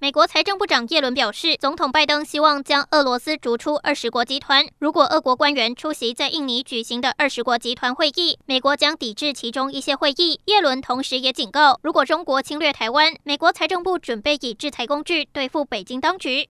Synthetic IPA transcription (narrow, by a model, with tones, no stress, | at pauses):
me˨˩ɪkwɔ˧˥t͡sʰa˧˥ɪʈ͡ʂɤ˥˧ŋpu˥˩ʈ͡ʂɑ˨˩ŋjɛ˥˩lwə˧˥npjɑ˨˩ʊʂɻ̩˥˩t͡sʊ˧˥ŋt̪ʰʊ˨˩ŋpa˥˩ɪt̪ɤ˥ŋɕi˥wɑ˥˩ŋt͡ɕjɑ˥ŋʔɤ˥˩lwɔ˧˥sɹ̩˥ʈ͡ʂu˧˥ʈ͡ʂʰu˥ʔə˥˩ʂɻ̩˧˥kwɔ˧˥t͡ɕi˧˥t̪ʰwa˧˦nɻu˧˥kwɔ˨˩ʔɤ˥˩kwɔ˧˥kwa˥nɥɛ˧˥nʈ͡ʂʰu˥ɕi˧˥t͡sa˥˧ɪʔi˥˩ŋni˧˥t͡ɕy˨˩ɕi˧˥ŋd̪ə˧ʔə˞˥˩ʂɻ̩˧˥kwɔ˧˥t͡ɕi˧˥t̪ʰwa˧˥nxwe˥˧ɪʔi˥˩me˨˩ɪkwɔ˧˥t͡ɕjɑ˥ŋt̪i˨˩ʈ͡ʂɻ̩˥˩t͡ɕʰi˧˥ʈ͡ʂʊ˥ŋi˥˩ɕjɛ˥xwe˥˧ɪi˥˩jɛ˥˩lwə˧˥nt̪ʰʊ˧˥ŋʂɻ̩˧˥jɛ˧˥t͡ɕi˨˩nkɑ˥˩ʊɻu˧˥kwɔ˨˩ʈ͡ʂʊ˥ŋkwɔ˧˥t͡ɕʰi˥ŋlɥɛ˥˩t̪ʰa˧˥ɪwa˥nme˨˩ɪkwɔ˧˥t͡sʰa˧˥ɪʈ͡ʂɤ˥˧ŋpu˥˩ʈ͡ʂwə˨˩npe˥˩ɪi˨˩ʈ͡ʂɻ̩˥˩t͡sʰa˧˥ɪkʊ˥ŋʈ͡ʂy˥˧t̪we˥˧ɪfu˥˩pe˨˩ɪt͡ɕi˥ŋt̪ɑ˥ŋt͡ɕy˧˥˦